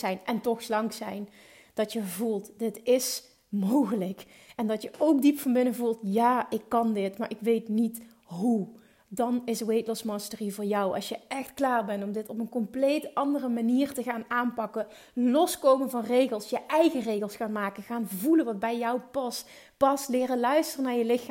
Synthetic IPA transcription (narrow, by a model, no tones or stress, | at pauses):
ɛjnʔɛntɔxslɑŋksɛjn | d̥ɑtjəvulˠtdɪtɪs | mowɣələk | ɛndɑtjəʔowk̚dipfɑnbɪnəvulˠtjaːʔɪkːɑndɪtmaːɹʔɪkʋejtnit | ɦu | dɑnɪsəwejtlɔsmɑstərivʊːɹjʌwɑ̰lˠsjəʔɛxtklaːɹbɛntɔmdɪtɔpənkɔmplejtɑndərəmaniːrtəɣaːnaːnpɑkə | lɔskowmənvɑnrejɣəlˠsjəʔɛjɣərejɣəlˠsxaːnmaːkəɣaːnvulənʋɑd̚bɛjjɔwpɑst | pɑstlɪːrəlœɥstərənaːɹjəlɪxa